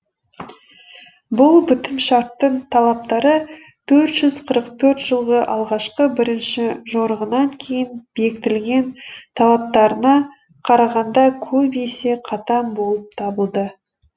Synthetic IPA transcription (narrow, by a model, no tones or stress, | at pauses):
bʊlˠbʏt̪ɪmʃɑɾt̪ːəɴt̪ʰɑlˠɑp̚t̪ɑɾə | t̪ʰɵɾt̪ʒ̥ʏz̥qʰəɾəqt̪ʰɵɾt̪ʒ̥əlˠʁəʔɑ̰lˠʁɑʃqəbɪɾɪnʃɪʒoɾəʁənɑŋkʲʰe̞jɪnbe̞kɪt̪ɪlɡʲe̞nt̪ʰɑlˠɑp̚t̪ɑɾənɑ | qʰɑɾɑʁɑnd̪ɑkʲʰɵbese̞qʰɑt̪ɑmbo̞lˠəp̚t̪ʰɑbəlˠd̪ə